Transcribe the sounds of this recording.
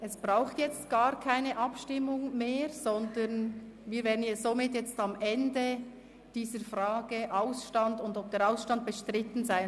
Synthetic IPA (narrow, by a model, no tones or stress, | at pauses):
ʔɛsb̥ʁaʊxtjɛt͡stɡ̥aːʁkʰaɪnəʔɑpʃtɪmʊŋmeːɾzɔndənviːɾvɛːʁdnɛz̥omɪtjɛt͡stɑmʔɛndə | d̥iːzəɾfraːɡəʔaʊsʃtɑndʊndɔp̚d̥eːɾaʊsʃtɑnt̚b̥ɛʃtʁɪtn̩zaɪ